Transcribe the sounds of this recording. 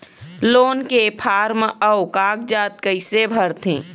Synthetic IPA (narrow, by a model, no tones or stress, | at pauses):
loːnkepʰaːɾməʊkaːk̚d͡ʒaːt̪̚kəɪsebʱəɾt̪ʰẽː